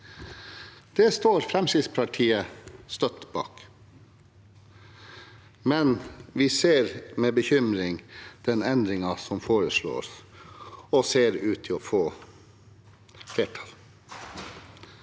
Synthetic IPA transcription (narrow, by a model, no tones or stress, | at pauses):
d̪̥ɛst̪oːɾfɾɛmsɪspʰɑʈʰiːəst̪œt̪bɑ̰ːk | mɛnʋɪseːɾmeːbəçʏmɾɪŋd̪̥ɛnɛnd̪ɾɪŋɑsɔmfoːɾəsɭo̰ːs | ɔseːɾʉːt̪ʰɪoːfoː | fleːʈʰɑl